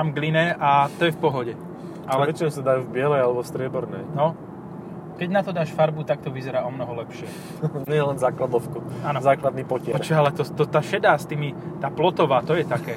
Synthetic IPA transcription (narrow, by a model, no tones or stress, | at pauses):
amɡlinɛʔat̪ɔjɛfpɔɦɔɟɛ | ʔalɛʋɛt͡ʃinɛmsad̪ajuːvbɪɛlɛjalɛbɔst̪ɾɪɛbɔɾnɛjnɔ | kɛɟnat̪ɔd̪aːʃfaɾbut̪ak̚t̪ɔʋizɛɾaːɔmnɔɦɔlɛpʃɪɛ | ɲɛjɛlɛnzaːklad̪ɔfkuaːnɔzaːklad̪̚niːpɔcɪɛt͡ʃɔalɛt̪ɔt̪ɔt̪aːʃɛd̪aːst̪iːmit̪aːplɔt̪ɔʋaːt̪ɔjɛt̪akɛː